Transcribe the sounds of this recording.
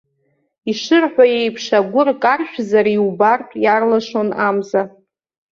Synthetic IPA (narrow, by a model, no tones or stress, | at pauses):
iʂɨrħʷᶣaje̞jpʰʂaɡʷʊrkʼarʃᶣzaɾiubartʼjarlaʂo̞namza